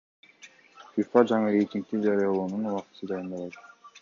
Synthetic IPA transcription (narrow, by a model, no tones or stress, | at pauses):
fʲifad͡ʒɑɴɯɾejt̪ʲiŋk̚t̪id͡ʒɑɾɯjɑlˠoːnunuwɑqt̪sɯd̪ɑjɯnd̪ɑlˠɑt̪